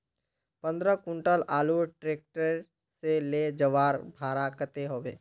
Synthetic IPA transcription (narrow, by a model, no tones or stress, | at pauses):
pə̃nd̪ɾəkʊ̃ɳʈəlaːluʈɾeːk̚ʈəɾ | seled͡ʒəʋaːɾbʱaːɾakət̪eɦoːʋḛː